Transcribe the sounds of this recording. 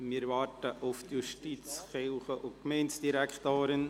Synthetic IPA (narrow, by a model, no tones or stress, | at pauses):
mɪːɾvɑːɾtəʔuft̪juʃtit͡sχɪlfəʔʊkmɛɪntsd̥iɾækχt̪oːɾən